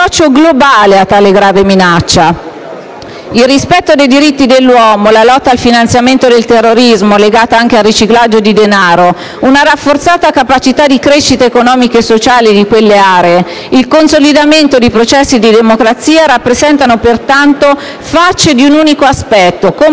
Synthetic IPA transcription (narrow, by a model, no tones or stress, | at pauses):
ɔt͡ʃːoɡlobaːleat̪ːaːleɡɾaːveminat͡ʃːa | ilrispɛt̪ːod̪ejd̪iɾit̪ːid̪elːwɔːmolalɔt̪ːaːlfinant̪sjament̪od̪elt̪erːoɾizmoleɡaːt̪aaŋk̟ealrːit͡ʃiklad͡ʒːod̪id̪enaːɾo | unaɾafːort̪saːt̪akapat͡ʃit̪ad̪ikɾeʃːit̪eːkonɔːmikeːsːot͡ʃaːlid̪ikwelːeaːɾee | ilkonsolid̪ament̪od̪ipɾot͡ʃɛsːid̪id̪emokɾat̪sːiːaɾapːɾezɛnt̪anopert̪ant̪o | fat͡ʃːed̪iunuːnikoaspɛt̪ːoko